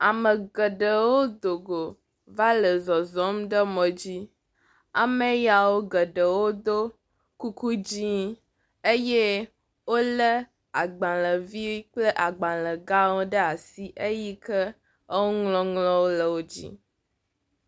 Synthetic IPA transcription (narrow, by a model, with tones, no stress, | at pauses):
a˨mə˨ɡə˨ɖə˨wo˦d̪o˨ɡo˨ | va˦lə˨zɔ˨zɔ˨˦m˦ɖə˦mɔ̃˨d͡ʑi˦ | a̰˨mə˨˦ja˨wo˦ɡə˨ɖə˨wo˦d̪o˦ | ku˦ku˦d͡ʑi˦ | e˦je˦ | wo˦lə˦ | a˨ɡ͡bã˨lə˨vi˦k͡plə˦ʔa˨ɡ͡bã˨lə˨ɡa˦wo˦ɖə˦a˨si˦ʔe˦ji˦kə˦ | ə˦wo˦ŋlɔ̃˦ŋlɔ̃˦wo˦lə˨wo˦d͡ʑḭ˦